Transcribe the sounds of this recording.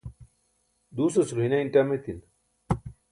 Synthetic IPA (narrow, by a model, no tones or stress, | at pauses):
d̪uːsosuɾuɦinɐinʈɐmet̪in